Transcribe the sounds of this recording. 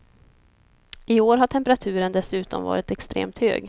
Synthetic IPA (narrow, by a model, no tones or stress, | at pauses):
ʔɪoːɾɦaʈʰɛmpəɾat̪ʰʉ̟ːɾənd̪ɛsʉ̟ːt̪ɔ̰mvɑ̰ːɾɪt̪ɛkst̪ɾḛːmt̪hø̰ːɡ